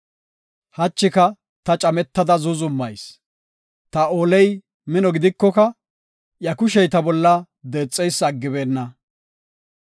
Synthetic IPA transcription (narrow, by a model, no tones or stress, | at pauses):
hɐt͡ʃːɪkɐ | t̪ɐt͡ʃʼɐmɛt̪ːɐd̪ɐzʊzʊmːɐjs | t̪ɐoːlɛj | mɪnɔɡɪd̪ɪkːɔkɐ | jɐkʊʃɛjt̪ɐbɔlːɐ | d̪e̞ːt͡sʼːɛjsɐɡːɪbe̞ːnːɐ